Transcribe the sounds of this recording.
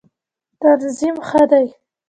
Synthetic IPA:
t̪anzimxəd̪aj

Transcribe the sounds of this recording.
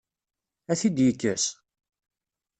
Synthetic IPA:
æθid̪jəkːəs

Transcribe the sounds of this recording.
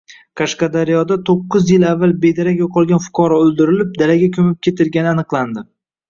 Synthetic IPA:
kʰɑʃqɑd̪aɾijɒd̪at̪ʰoqːɨzjɪlavːalbe̞d̪aɾakʲoqʰɒlˠɡʲanfʊ̥qʰɒɾɒɵld̪ɪɾɪlɪp̚d̪alaɡʲakʲʰɵmɪp̚kʲʰe̞t̪ʰɪlɡʲanɪanɨqlˠand̪ɪ

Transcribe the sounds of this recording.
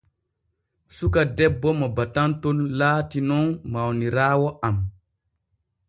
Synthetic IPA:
sukadɛbːɔmɔbatantɔnlaːtinɔnmawniɾaːwɔʔam

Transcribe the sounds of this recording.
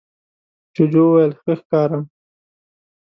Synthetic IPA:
t͡ʃʊd͡ʒowajəlxəxkɑːɾa

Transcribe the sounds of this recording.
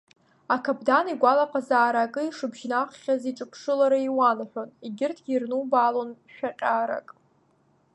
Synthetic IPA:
akʰabdaniɡʷalaqʼazaːɾakʼɨiʂɨbʒnaχχʲaziʈ͡ʂʼɨpʰʂɨlaɾaiwanħʷᶣoniɡʲɪrtʰɡʲirnubalonʃᶣaqʲʼaːɾa̰kʼ

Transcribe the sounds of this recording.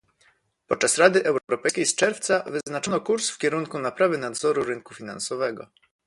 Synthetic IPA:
pɔt̪̚t͡ʂasɾad̪ɘʔɛwɾɔɾɔpɛjskʲejst͡ʂɛɾft̪savɘznat͡ʂɔnɔkuɾsfkʲɛɾuŋkunapɾavɘnad̪zɔɾuɾɘŋkufʲina̰nsɔvɛɡɔ̰

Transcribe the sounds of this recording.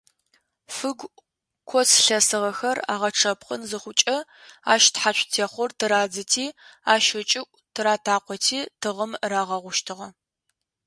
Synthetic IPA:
fɨɡʷ | kʷʰɔsɬɐsɨʁɐxɐra̰ːʁɐʈ͡ʂʰɐpqənzɨχʷʊt͡ʃʼɐa̰ːʃtħaɕʷʰʼtʰeːχʷʊrtʰɨɾaːd͡zɨtʰiːaːʃɪt͡ʃʼɪkʷʼtʰɨɾaːtʰaːqʷɔtʰiːtʰɨʁəmraːʁɐʁʷʊʃtʰɨʁɐ

